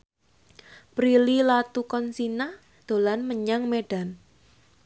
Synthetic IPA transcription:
pɾililat̪ukɔnsina | d̪̥o̤lanməɲaŋmeɖ̥a̤n

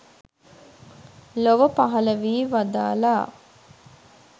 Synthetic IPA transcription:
loʋəpaɦɐləʋiːʋad̪a̰ːlaː

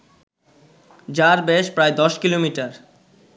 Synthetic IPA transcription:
d͡ʑaɾbeʃpɾajd̪ɔʃkilomiʈaɾ

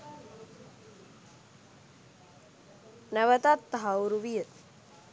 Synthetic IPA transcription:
nəʋət̪at̪ːɦawɾuʋijə

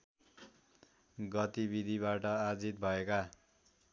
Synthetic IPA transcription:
ɡʌt̪ibid̪ʱiβaʈʌad͡zit̪̚bʱʌeka

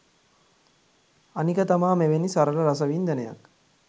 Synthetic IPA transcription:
anikət̪amaːmeʋenisaɾəlɐɾas̬ɐʋiːnd̪æneja̰k

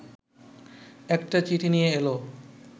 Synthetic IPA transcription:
ɛkʈat͡ɕiʈʰinijeelo

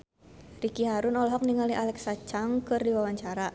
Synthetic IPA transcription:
rikiɦaɾunɔlɔɦɔk̚niŋaliʔalɛksat͡ʃaŋkɨrdiwawaɲt͡ʃaɾa

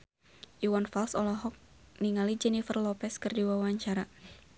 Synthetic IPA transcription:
ʔiwanfalsɔlɔɦɔk̚ | niŋalid͡ʒɛnifərlɔpɛskɨrdiwawaɲt͡ʃaɾa

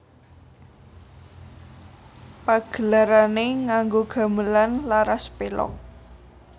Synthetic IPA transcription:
paɡ̥ə̤laɾaneŋaŋɡoɡ̥a̤məlanlaɾaspelɔ̰k̚

